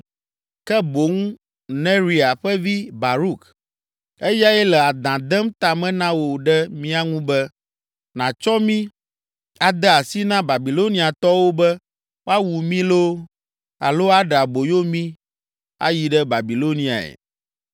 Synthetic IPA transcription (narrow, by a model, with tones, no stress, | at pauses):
kɛ˦bo˨˦ŋũ˦ | nɛ̃˦ɾi˨a˨ɸɛ˦vi˦ba˨ɾu˦k | e˦ja˦ɛ˦lɛ˨a˨d̪ã˨d̪ɛ˦mt̪a˨mɛ̃˦nã˦wo˨ɖɛ˦mĩ˦a˦ŋũ˦bɛ˦ | nã˨t͡ʃɔ˦mĩ˦ | a˨d̪ɛ˦a˨si˦nã˦ba˨bi˨lo˦nĩ˦a˨t̪ɔ˦wo˦bɛ˦ | wa˦wu˨mĩ˦lo˦ | a̰˨lo˦a˦ɖɛ˨a˨bo˨jo˦mĩ˦ | a̰˦ji˨ɖɛ˦ba˨bi˨lo˦nĩ˦a̰˨ɛ̰˨